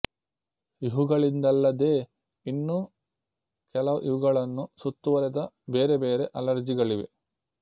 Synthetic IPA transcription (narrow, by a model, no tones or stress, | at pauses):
iɦuɡɐɭind̪ɐlːɐd̪e̞ː | inːuː | kɛlɐʋɐʔiʋuɡɐɭɐnːusut̪ːuʋɐɾɛd̪ɐ | be̞ːɾebeːɾe̞ʔɐlɐɾd͡ʒiɡɐɭiʋe̞̰